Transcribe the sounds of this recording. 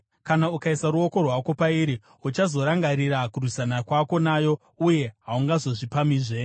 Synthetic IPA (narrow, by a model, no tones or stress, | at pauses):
kanaukaisaɾuo̞ko̞rwako̞paiɾi | ut͡ʃazo̞ɾaŋɡaɾiɾakurwusanakwako̞naːjo̞ | uje̞ɦauŋɡazo̞ʐipamiːʐe̞